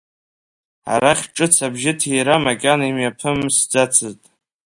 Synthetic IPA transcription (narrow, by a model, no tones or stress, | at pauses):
a̰ɾaχʲʈ͡ʂʼɨt͡sʰabʒɪtʰijɾamakʲʼanimjapʰɨmsd͡zat͡sʰɨztʼ